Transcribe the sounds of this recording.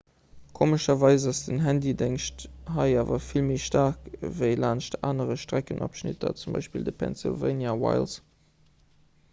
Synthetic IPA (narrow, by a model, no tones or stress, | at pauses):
kʰoːməʃɐvɑɪzɑsdənɦændideŋʃthɑɪaːvɐfilmeːʃtaʁkvəɪlaːnʃta̰ːnəʁəʃtʁækənʔɔ̰pʃnɪ̰tʰɐ̰t͡sumbɑ̰ɪʃpildəpʰɛ̰nsḭlvḛɪnjawa̰ɪls